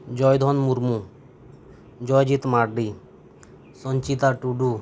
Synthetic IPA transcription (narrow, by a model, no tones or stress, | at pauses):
d͡ʒɔjd̪ʱɔnmuɾmu | d͡ʒɔjd͡ʒit̪maɽɖi | sɔnt͡ʃit̪aʈuɖu